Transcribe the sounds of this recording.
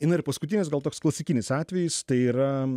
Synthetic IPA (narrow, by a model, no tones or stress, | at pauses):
ɪnɐɪɾpɐskʊt̪ʲinʲɪsɡɐlˠt̪oːksklˠɐsʲɪkʲɪnʲɪsɑːt̪ʲʋʲɛjɪst̪ɐɪiːɾɐ